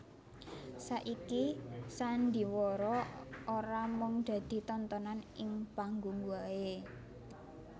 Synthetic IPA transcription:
saʔikisand̪i̤wɔɾɔoɾamʊŋd̪̥ä̤d̪̥i̤t̪ɔnt̪ɔnanɪŋpaŋɡuŋɡuae

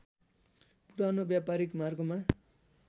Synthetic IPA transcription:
puɾanobjapaɾikmarɡoma

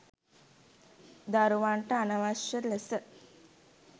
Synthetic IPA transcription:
d̪aɾuʋaɳʈəanaʋaʃəlesə

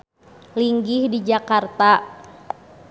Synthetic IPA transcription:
liŋɡihdid͡ʒakart̪a

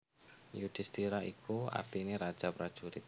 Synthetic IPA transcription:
jud̥ɪst̪iɾaikʰua̰rt̪iniɾad̥ʒ̥apɾad̥ʒ̥uɾɪt̪̚

